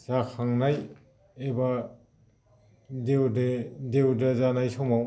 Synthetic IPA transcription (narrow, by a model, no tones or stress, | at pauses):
z̥akʰaŋnaj | eba | dewdedewdazanajsɔmaw